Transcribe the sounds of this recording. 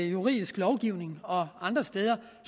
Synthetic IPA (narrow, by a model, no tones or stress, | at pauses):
juʁḭðˠisɡ̥lɒʊɡ̥iʊne̝ŋɒ̽ɑ̈nd̥ʁɐsd̥eːð̞ˠɐ | s